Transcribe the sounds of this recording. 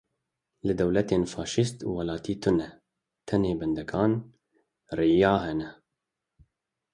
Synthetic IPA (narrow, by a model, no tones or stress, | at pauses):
lɨd̪ɛwlɛt̪eːnfɑːʃist̪ṵwɑlɑːt̪iːt̪ʰʊnɛ | t̪ʰɛneːbɛnd̪ɛkʰɑːn | rijɑːhɛnɛ